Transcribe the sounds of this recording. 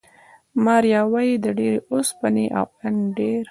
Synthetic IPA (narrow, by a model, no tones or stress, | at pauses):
mɑɾjɑwajid̪əɖeɾeʔospaneʔa̰wanɖeɾ